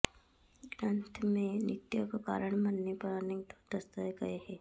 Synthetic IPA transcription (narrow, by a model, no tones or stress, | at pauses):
ɡɾə̃nt̪ʰmẽnɪt̪ːjokaka̰ːɾəɳ̃mɐnːepɐɾnẽt̪o̥d̪əst̪ajɡɐeɦɛː